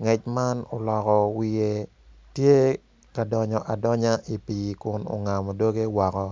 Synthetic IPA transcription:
ŋɛ˨t͡ʃma˦no˨lɔ˨kɔ˨wɪ˦je˦ | tje˦ | ka˨dɔ˨ɲɔ˨ʔa˨dɔ˦ɲa˦ʔi˨pi˨kʊ˦no̰˨ŋa˨mɔ˨do˦ɡe˦wɔ˨kɔ˦

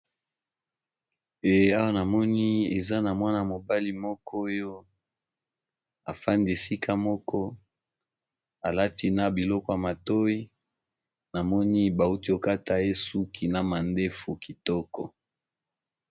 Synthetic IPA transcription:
e˨a˦wa˦na˨mɔ˦ni˦e˨za˦na˨mwa˦na˨mo˨ba˦li˦mɔ˦kʰɔ˦jo˦ | a̰˨fa˦ndi˨e˨si˦kʰa˦mɔ˦kʰɔ˦ | a˨la˦ti˦na˦bi˨lɔ˦kɔ˨ja˨ma˨to˦i˦ | na˨mɔ˦ni˦ba˨u˦ti˦o˨ka˦ta˨e˦su˦kʰi˨na˨ma˨nde˦fu˨ki˨tɔ˦kɔ̰˨

